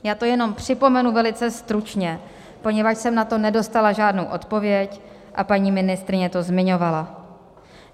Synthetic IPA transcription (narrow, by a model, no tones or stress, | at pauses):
jaːt̪o̞jɛno̞mpr̝̥ɪpo̞mɛnuvɛlɪt͡sɛst̪ɾut͡ʃɲɛ | po̞ɲɛvat͡ʃsɛmnat̪o̞nɛdo̞st̪alaʒaːdnowʔo̞t̪po̞vjɛc | ʔapaɲiːmɪnɪst̪ɾɪɲɛt̪o̞zmɪɲo̞vala